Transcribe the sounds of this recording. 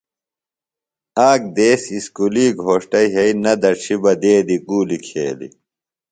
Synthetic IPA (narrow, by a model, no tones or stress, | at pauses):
aːk̚d̪eːsiskuliːɡʱoːʂʈɐiɦɐinɐd̪ɐɕʰibɐd̪eːd̪iɡuːlikʰḛːlḭ